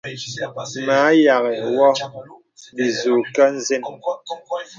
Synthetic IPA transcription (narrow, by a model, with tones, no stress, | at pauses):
ma˨˦ja˨ɣɛ˨wɔ˦ | bi˨zu˨ka˦n̩˦ze˦n